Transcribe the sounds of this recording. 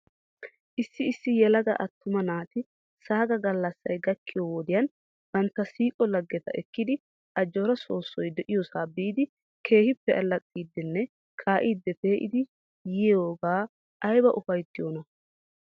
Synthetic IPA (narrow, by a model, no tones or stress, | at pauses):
ʔɪsːɪɪsːɪjɛlɐɡɐʔɐt̪ːʊmɐnaːt̪ɪ | saːɡɐɡɐlːɐsːɐ̰jɡɐkːɪjowod̪ɪjɐn | b̥ɐnt̪ːɐsiːkʼɔlɐɡːɛt̪ɐ̰ɛkːɪd̪ɪ | ʔɐd͡ʒːɔɾɐso̞ːsːɔjd̪ɛʔɪjɔsaːbiːd̪ɪ | kʰe̞ːhɪpːɛʔɐlːɐt͡sʼːiːd̪ːɪnːɛ | kʰaːʔiːd̪ːɛpeːʔɪ̰d̪ɪ | jɪjoːɡaː | ʔɐjbɐʔʊfɐjt̪ːɪjoːnɐ